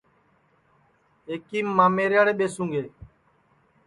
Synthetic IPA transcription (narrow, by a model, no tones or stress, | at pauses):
eːkiːmːãːmeːɾjaːɽeːɓeːsũːŋɡeː